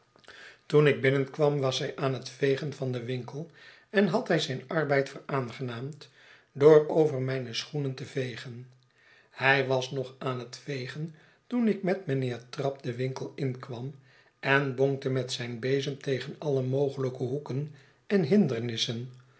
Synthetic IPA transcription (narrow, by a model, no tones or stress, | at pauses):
tunɪɡ̚bɪnənkʋɑmʋɑsɦɛjʔaːnɦətfejχənvɑndəʋɪŋkəlˠ | ɛnɦɑtɦɛjzɛjnɑrbɛjtfəɹaːnχənaːmt | dʊːɹowvəɹmɛjnəsχunəntəvejχən | hɛjʋɑsnɔχaːnɦətfejχən | tunɪkmɛtmənɪːɹtrɑp̚dəʋɪŋkəlˠɪnkʋɑm | ʔɛnboŋk̚təmɛtsɛjnbejzəntejχənɑləmowχələkəɦukən | ɛnɦɪndəɹnɪsən